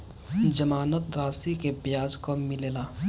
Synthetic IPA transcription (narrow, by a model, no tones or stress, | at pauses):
d͡ʒəmaːnət̪ɾaːsikebjaːd͡ʒkomɪleːlaː